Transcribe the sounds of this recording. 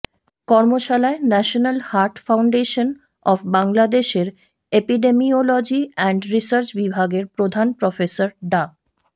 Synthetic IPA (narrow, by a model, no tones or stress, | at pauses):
kɔɾmoʃalaenɛʃonalhaɾʈfawɳɖeʃon | ɔfbaŋlad̪eʃeɾ | epiɖemiolɔd͡ʑiɛɳɖɾisəɾt͡ɕbibʱaɡeɾpɾod̪ʱanpɾɔfesaɾɖa